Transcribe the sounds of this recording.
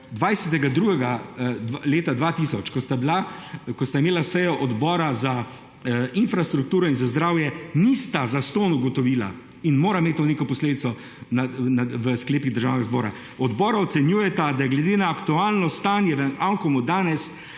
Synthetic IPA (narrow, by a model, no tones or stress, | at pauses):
d̪ʋajsɛt̪̬ɛɡad̪ɾuːɡɛɡad̪leːt̪ad̪ʋaːt̪iːsɔt͡ʃkɔt̪ablakɔst̪aimeːlasɛjɔʔɔd̪bɔːɾaza | infɾast̪ɾukt̪uːɾɔinzazd̪ɾaːwjɛnist̪azast̪oːnuɡɔt̪ɔʋiːla̰ | inmoːɾameːt̪̚ʲt̪ːoneːkɔpɔsleːd̪it̪sɔ | nanaʋəskleːpiɣd̪əɾʒawnɛɡazbɔːɾa̰ | ɔd̪bɔːɾaɔt̪sɛnjuːjɛt̪ad̪ajɛɡlɛd̪eːnaːkt̪uaːlnɔst̪aːnjɛʋɛnaŋkɔmud̪aːnɛs